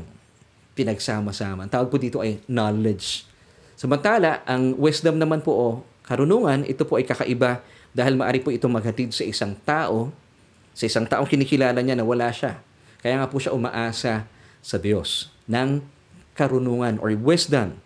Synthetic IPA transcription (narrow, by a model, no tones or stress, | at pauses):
pɪnɐɡsaːmɐsaːmɐʔnt̪aːwɐɡ̚pod̪iːt̪o̞ʔɐjnalɛd͡ʒ | sɐmɐnt̪aːlɐʔɐŋwɛsd̪ɐmnɐmanpoʔo | kɐɾʊnoːŋɐnʔɪ̰t̪o̞poʔɐjkɐkɐ̰ʔɪba | d̪aːhɪlmɐʔa̰ːɾipoʔɪt̪oŋmɐɡ̚hɐt̪id̪̚sɐʔɪsaŋt̪aːʔo̞ | sɐʔɪsaŋt̪aːʔoŋkɪniːkɪlaːlɐɲanɐwɐlaʃa | kɐjaːŋapʊʃaʔʊmɐ̰ʔaːsɐ | sɐd̪jo̞s | nɐŋ | kɐɾʊnoːŋɐnʔo̰ɹwɛsd̪ɐm